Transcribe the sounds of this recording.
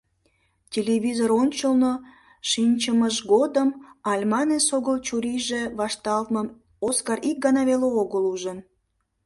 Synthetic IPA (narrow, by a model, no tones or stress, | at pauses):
tʲelʲeβʲizoɾonʲt͡ɕəlno | ʃinʲt͡ɕəməʒɡod̪əmɑlʲmɑnesoɣəlt͡ɕuɾiʒeβɑʃt̪ɑlt̪məm | oskɑrik̚ɡɑnɑβeleoɣəluʒən